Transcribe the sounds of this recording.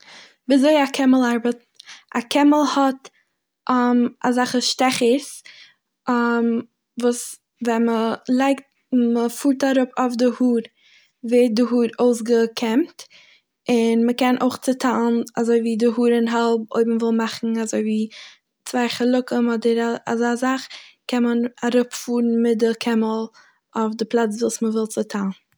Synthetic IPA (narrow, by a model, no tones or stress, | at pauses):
bɪzoɪakʰɛməlˠaɾbət | akʰɛməlˠhɔt | ʔama̰zaχəʃtɛχəs | am | vuːs | vɛnməlˠaɪkt̚ | məfuːɾtaɾʊpaʊfdɪhuːɾ | veːt̚dɪɦuːɾoʊsɡəkʰɛmt | ɪnməkɛnʔoʊχt͡sətʰalˠnazoɪviːdɪɦuːɾɪnɦalˠb̚o̰ɪbm̩vɪlˠmaχn̩azoɪviː | t͡svaɪχəlˠʊkəmɔdəɾaazɪazaχkʰɛnmənaɾʊpfuːɾn̩mɪt̚dəkʰɛməlˠ | aʊfdɪplˠat͡svuːsməvɪlˠt͡sətʰalˠn